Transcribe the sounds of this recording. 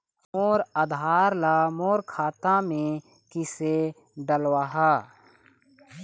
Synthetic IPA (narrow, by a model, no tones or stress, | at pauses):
moːɾəd̪ʱaːɾlaːmoːɾkʰaːt̪ãmẽ | kɪse | ɖəlwaɦaː